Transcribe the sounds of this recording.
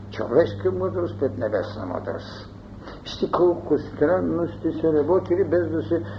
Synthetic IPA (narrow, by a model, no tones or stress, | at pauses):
t͡ʃo̰vɛʃkijəməd̪ɾost̪pɾɛd̪nɛbɛsnɐ̰mo̰d̪ɾo̰s | ʃt̪ikolkost̪ɾɛnnost̪isɛɾɐbɔt̪ilibɛzd̪ɐsɛ